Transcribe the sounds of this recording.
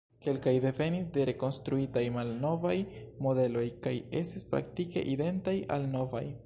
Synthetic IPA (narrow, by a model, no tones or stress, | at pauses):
ke̞lkajde̞ve̞nis̬de̞ɾe̞ko̞nstɾuitajmalno̞vajmo̞de̞lo̞jkaje̞̰stispɾa̰ktike̞̰ʔide̞ntaja̰lno̞va̰j